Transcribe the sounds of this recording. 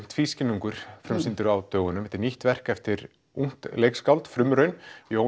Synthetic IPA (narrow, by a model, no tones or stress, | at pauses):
m̥t̪fiscɪnːuŋkʏɾ̥fɾʏmsɪnt̪ʏɾawt̪œːɣʏnʏmɛt̪ɪɾniht̪vɛr̥kɛft̪ɪɾ | uŋ̥t̪lejkskawlt̪fɾʏmɾœɥnio